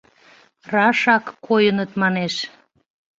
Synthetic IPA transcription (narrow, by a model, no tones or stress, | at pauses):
rɑʃɑkːojənət̪mɑneʃ